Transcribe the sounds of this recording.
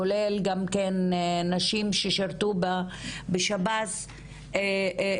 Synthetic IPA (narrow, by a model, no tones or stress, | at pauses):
olelɡamkenːaʃimʃeʃaʁt̪ubabeʃabaz